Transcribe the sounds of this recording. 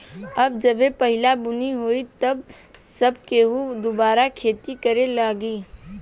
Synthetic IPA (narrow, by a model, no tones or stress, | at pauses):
ɐbd͡ʒɐbepɐɦɪlabʊniɦoːit̪ɐbsɐbkeːɦud̪obaːɾakʰeːt̪ikɐɾelaːɡiː